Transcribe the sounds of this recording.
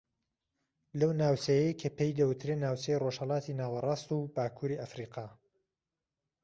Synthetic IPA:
lɐwnaːwt͡ʃɐjejkʰɐpejd̪ɐwɨt̪ʰɾeːnaːwt͡ʃejroʒhɐlˠɑːt̪ʰiːnaːwɐrˤɑːst̪ubaːkʰuːɾiːʔɐfɾiːqʰɑː

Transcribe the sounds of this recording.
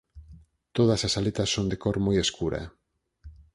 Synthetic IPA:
t̪oð̞asasalet̪asːond̪ekoɾmojeskuɾɐ̰

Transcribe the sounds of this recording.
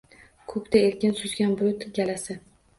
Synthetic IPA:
kʰɵkʲt̪ʰaelkʲɪnsʊzɡʲanbʊlʊt̪ɡʲalasɪ

